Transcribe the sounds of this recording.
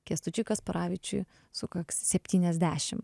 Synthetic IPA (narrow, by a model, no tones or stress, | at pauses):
kʲiɛst̪ʊt͡ʃʲʊkɐspɐɾʔɑːʋʲɪt͡ʃʲʊ̰ɪ | sʊkɐkssʲɛpʲt̪ʲiːnʲɛzʲd̪ʲæːʃʲɪm